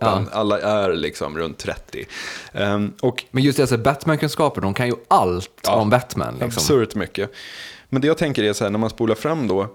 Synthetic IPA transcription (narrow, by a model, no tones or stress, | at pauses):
aalːaʔæɾlɪksɔ̰mɾɵ̰nt̪ʰːɾɛ̰t̪ːɪ̰ | ɔkmɛnjɵst̪d̪ɛatsːbæt̪mænkʰɵnskɑːpəɖ̪ɔmkʰanjɵalt̪ːɔmbæt̪mæ̰nlʔa̰kbsɔmsɵɾt̪mʏkːəmɛnd̪ɛjɑːɡt̪ʰɛŋkəɾæsɔhæːɳæɾmanspuːlaɾfɾamːd̪ɔː